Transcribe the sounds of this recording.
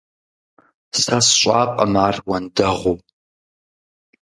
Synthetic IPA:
sasɕʷʼaːqʼa̰maːrwandɐʁow

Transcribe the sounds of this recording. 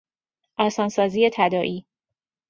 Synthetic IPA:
ʔɒːsɒːnsɒːzijet̪ʰæd̪ɒːʔiː

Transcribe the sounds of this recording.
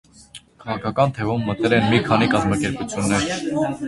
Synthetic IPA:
kʰɑʁɑkʰɑkɑnt̪ʰɛvumːət̪ɛlɛnmikʰɑnikɑzmɑkɛɾput͡sʰjunːɛɾ

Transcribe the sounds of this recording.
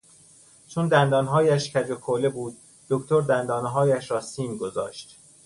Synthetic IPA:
t͡ʃʰond̪ænd̪ɒːnɦɒːjæʃcʰæd͡ʒokʰole̞buːd̪̚ː | okʰt̪ʰoɾd̪ænd̪ɒːnɦɒːjæʃɾɒːsiːnɡozɒ̰ːʃt̪

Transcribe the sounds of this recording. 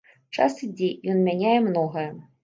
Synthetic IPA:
t͡ʂa̰sɨd͡zʲejɔnmʲænʲajɛmnɔɣɐjɛ

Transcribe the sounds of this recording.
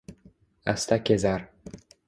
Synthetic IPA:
a̰st̪akʲezaɾ

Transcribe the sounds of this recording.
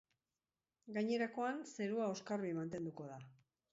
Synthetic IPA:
ɡaɲe̞ɾako̞anse̞ɾuao̞skaɾβimant̪e̞nd̪uko̞ða

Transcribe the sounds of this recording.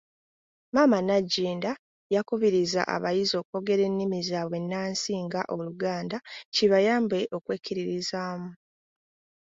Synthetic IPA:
maːmanaɟːiːnda | jakuβiɾiza̰ʔa̰βajizo̞ːkuko̞ɡe̞ɾe̞nːimizaːβwe̞nːaːnsiːŋɡaʔo̞luɡaːndaciβajaːmbe̞ʔo̞kweːkiɾiɾizaːmu

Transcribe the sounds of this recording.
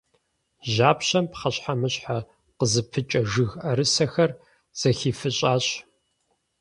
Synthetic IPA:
ʑaːpɕɐmpχɐɕħamɨɕħa | qəzɨpʰɨt͡ʃʼɐʒɨɣʔɐɾɨsɐxɐr | z̥ɐxiːfɨɕʼaːɕ

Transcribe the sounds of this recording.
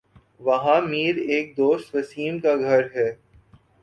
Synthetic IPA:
ʋɐɦãmiːɾeːk̚d̪oːst̪ʋɐsiːmkaɡʱɐɾɦɛː

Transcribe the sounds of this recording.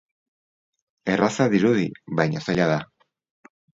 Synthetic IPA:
e̞rasaðiɾuðiβajɲosaʎaða

